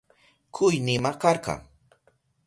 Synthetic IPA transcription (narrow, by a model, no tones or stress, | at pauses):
kʰʊjnɪmakɑɾqɑ̰ŋ